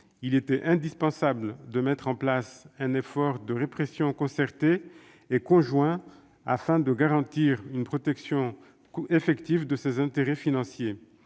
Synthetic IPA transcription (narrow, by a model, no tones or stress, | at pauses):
ilet̪ɛʔɛ̃d̪ispɑ̃sabld̪əmɛt̪χɑ̃plasɛ̃nefɔʁd̪əʁepχesjɔ̃kɔ̃sɛʁt̪eː | kɔ̃ʒwɛ̃ | a̰fɛ̃d̪əɡaʁɑ̃t̪iʁynpχɔt̪ɛksjɔ̃ | efɛkt̪ivd̪əsezɛ̃t̪eʁɛfinɑ̃sje